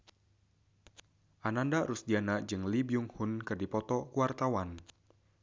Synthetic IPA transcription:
ʔanandaɾusdianaʔd͡ʒɨŋlibiuŋhʊnkɨrdipɔt̪ɔkuwart̪awan

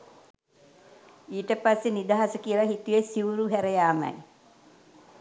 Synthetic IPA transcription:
iːʈəpasːenid̪aɦasəkiəlaɦit̪ujesiuɾuɦæɾəjaːmə̰j

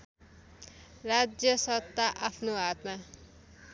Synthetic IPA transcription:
rad͡zjʌsʌt̪ːaʔapʰnoat̪ma

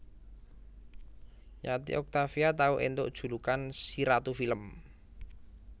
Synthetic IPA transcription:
jat̪ḭʔɔk̚t̪afiat̪auʔend̪o̰ʔd̥ʒ̥ṳlukansiɾat̪ufiləm

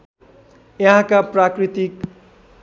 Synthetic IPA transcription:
jʌɦãkaprakrit̪ik

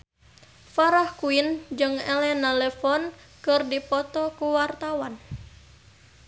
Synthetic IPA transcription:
faɾahkuind͡ʒɨŋɛlɛnalɛfɔn | kɨrdipɔt̪ɔkuwart̪awan

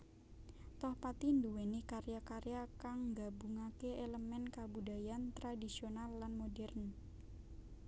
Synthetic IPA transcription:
t̪ɔhpat̪induwenikaɾjakaɾjakaŋɡabuŋakeeləmɛnkabudajant̪ɾadisionalːanmodɛrn

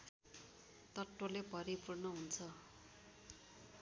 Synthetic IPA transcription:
t̪ʌʈːolepʌɾipurnʌɦunt͡sʰʌ

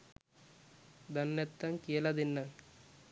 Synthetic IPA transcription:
d̪ɐnːet̪ːɐŋkiɐlɐd̪inːɐŋ

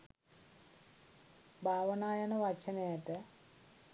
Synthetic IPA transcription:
bʱaːʋɐnaːjɐnɐʋɐt͡ʃɐnejɐʈə

